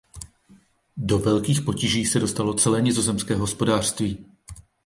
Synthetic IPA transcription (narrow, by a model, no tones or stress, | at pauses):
do̞vɛlkiːxpo̞ciʒiːsɛdo̞st̪alot͡sɛlɛːɲɛzo̞zɛmskɛːɦo̞spo̞daːr̥st̪viː